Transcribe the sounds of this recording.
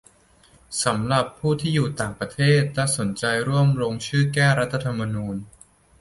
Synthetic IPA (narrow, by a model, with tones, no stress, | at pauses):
sa˩˦mɾa˨˩pʰːuː˥˩t̪ʰiː˥˩juː˨˩t̪aː˨˩ŋpɾa˧t̪ʰeː˥˩t̪̚lɛ˦˥so˩˦nt͡ɕa˧jɾu˥˩əmɾoː˧ŋt͡ɕʰɯː˥˩kɛː˥˩ɾa˦˥t̪ʰːa˧t̪ʰa˧mːa˧nuː˧n